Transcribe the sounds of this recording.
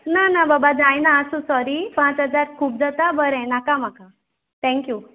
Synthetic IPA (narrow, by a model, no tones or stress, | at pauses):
nanababad͡zãjnaəsũsɔɾipãt͡sɦəd͡zaɾkʰuːp̚d͡zat̪abəɾɛ̃nakam̤aka | t̪ʰɛ̃ŋkju